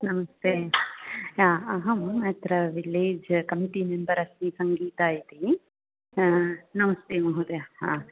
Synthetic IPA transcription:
nɐmɐst̪eː | aːɐɦɐmɐt̪ɾɐʋileːd͡ʒkɐmiʈimembɐɾɐst̪isɐŋɡiːt̪aːjit̪i | nɐmɐst̪eːmɐɦud̪eaɦaː

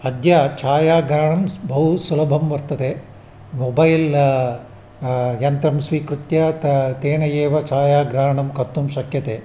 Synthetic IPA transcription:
ɐd̪ʱjaːt͡ʃaːjaːɡɾaːɳɐmbʱɐɦusulɐbʱɐmʋɐɾt̪ɐd̪e | mobɐjl | jɐnt̪ɾɐmsʋiːkɾut̪jat̪t̪eːnɐjeːʋɐt͡ʃaːjaːɡɾaːɳɐmkɐɾt̪umʃɐkjɐt̪eː

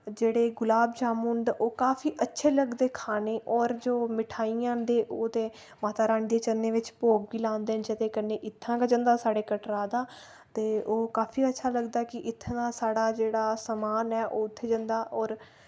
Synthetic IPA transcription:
d͡ʒeːɽeːɡʊlaːbd͡ʒaːmʊɳɖoːkaːfʰiːʔətːʃʰeːləɡd̪eːkʰaːneːʔɔːɾd͡ʒoːmɪʈʰaːijãːnd̪eːʔoːd̪eː | maːt̪aːɾãːɳd̪eːt͡ʃənːẽːʋɪt͡ʃpoːɡ̚ʋiːlãːnd̪eːnd͡ʒət̪eːkənːeːʔɪt̪ʰːãːkəd͡ʒənd̪aːsaːɽeːkəʈɾaːd̪aː | t̪eːʔoːkaːfʰiːətːʃʰaːləɡd̪aːkɪʔɪt̪ʰːãːd̪aːsaːɽaːd͡ʒeːɽaːsəmaːnɛːʔoːʊt̪ʰːeːd͡ʒə̃nd̪aːʔɔːɾ

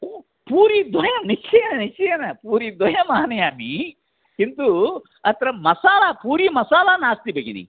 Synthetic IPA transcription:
o | puːɾid̪ʋɐjɐmnit͡ʃːɛjɐnɐnit͡ʃːijnɐpuːɾid̪ʋɐjɐmaːnɐjaːmi | int̪u | ɐt̪ɾɐmɐsaːlapuːɾimɐsaːlaːnaːst̪ibeɡinḭ

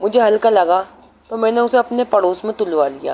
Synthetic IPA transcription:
mʊd͡ʒʱeɦɐlkalɐɡa | t̪omɛ̃ːneʊseɐpnepɐɽoːsmẽt̪ʊlʋalija̰ː

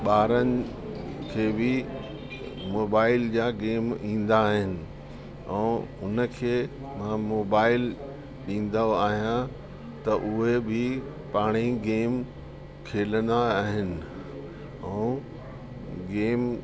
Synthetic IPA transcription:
ɓaːɾənɪ̆ | kʰeːbɪ | moːbaːɪld͡ʑaːɡeːmĩːn̆d̪aːɦɪnɪ̆ | ɛ̃ːʊnə̆kʰeː | mãmoːbaːɪl | ɗĩːn̆d̪oaːɦijã | t̪ɐʔʊɦebʱɪ | paːɽ̃iɡeːm | kʰeːlənd̪aaːɦɪnɪ̆ | ɛ̃ː | ɡeːm

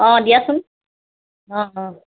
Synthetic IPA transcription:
ɔ̃d̪ijasun | ɔ̃

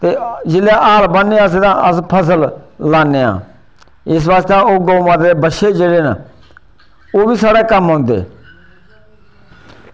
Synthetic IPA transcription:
t̪eːd͡ʒɪlaːʔaːlbənːeːaːs̬ed̪ãːʔəspʰəs̬əllaːnːeːa̰ː | ɪs̬ʋaːst̪ãːoːɡoːmãːt̪eːbəʃeːd͡ʒeːɽeːn | oːbiːsaːɽɛːkəmɦõːnd̪ḛː

